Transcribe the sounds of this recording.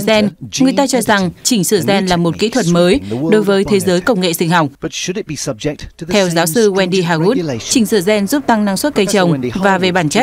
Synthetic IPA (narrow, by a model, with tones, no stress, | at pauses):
zɛ˧nŋɨ˨˩əjt̪aː˧t͡ɕɔ˧za˨˩ŋt͡ɕï˧˩ŋ̟sɨ˧˩zɛ˧nlaː˨˩mo˨˩t̚kḭ˧˥t̪ʰwə˨˩t̚məː˨˦jɗo˨˦jvəː˨˦jt̪ʰe˨˦zəː˨˦jkə˧wŋ͡mŋḛ˧˨sï˧ŋ̟ɦa˨˩wk͡p̚ | t̪ʰɛ˧wzaː˨˦wsɨ˧ɣwɛ˧nɗi˧ɦaː˧˩ɣu˦˥t̚t͡ɕï˧˩ŋ̟sɨ˧˩zɛ˧nzu˦˥p̚t̪a˧ŋna˧ŋswt̚kə˧jt͡ɕə˨˩wŋ͡mvaː˨˩ve˨˩ɓaː˧˩nt͡ɕa˦˥